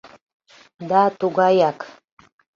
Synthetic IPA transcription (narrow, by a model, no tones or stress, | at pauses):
d̪ɑt̪uɣɑjɑk